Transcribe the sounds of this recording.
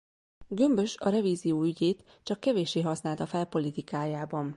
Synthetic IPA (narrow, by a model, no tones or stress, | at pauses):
ɡø̞mbø̞ʃɒɾɛviːzijoːyɟeːt̪ | t͡ʃɒkːɛveːʃːeːɦɒsnaːlt̪ɒfɛlpo̞lit̪ikaːjaːbɒn